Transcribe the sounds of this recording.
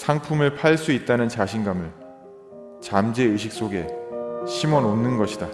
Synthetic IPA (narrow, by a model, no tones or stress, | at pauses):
sʰaŋpʰumɯɭpʰaɭs͈uit̚t͈anɯnt͡ɕaɕʰinɡamɯɭ | t͡ɕamd͡ʑe̞ɯɕ̬ʰik̚s͈oɡe̞ɕʰimʌnonːɯnɡʌɕʰida